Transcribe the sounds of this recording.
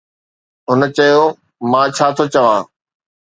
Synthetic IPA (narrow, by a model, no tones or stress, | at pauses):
ɦʊnt͡ɕɐjo | mãːt͡ɕʰaːt̪ʰot͡ɕɐʋãː